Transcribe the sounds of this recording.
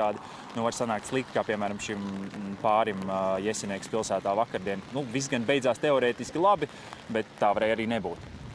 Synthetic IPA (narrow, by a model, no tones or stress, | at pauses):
aːd̪i | nuvaɾsanaːk̚t̪slˠik̚t̪kaːpiɛmæːɾamʃimpaːɾimjɛsʲiniɛkspilˠsæːt̪aːvakaɾd̪iɛnnuvizɡanbɛj̪zaːst̪eɔɾɛːt̪iskʲilˠabi | bɛt̪ːaːvaɾɛːjaɾiːnebuːt̪